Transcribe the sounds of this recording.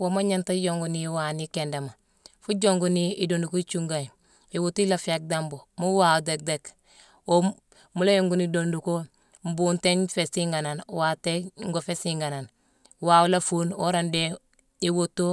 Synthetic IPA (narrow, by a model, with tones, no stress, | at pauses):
woma˦ɲa˦nta˦jo˨ŋɡuniwa˨ni˦kenda˨ma˨ | fu˦ɟoŋɡuni˦i˦do˨ndu˨ko˦it͡ʃuŋɡa˨j | i˨wo˦ti˦la˨fi˦a˦k̚dambo˨mu˦waude˨k̚dek | o | mu˦la˦joŋɡu˨nidondu˨ko | m̩˦bunte˦nfe˨si˦ŋɡa˨na˨nwa˨teŋɡo˨fe˦siŋɡa˨na˨n | wa˨wu˦la˦fu˦no˦ɾande˦ | i˦wo˦to˦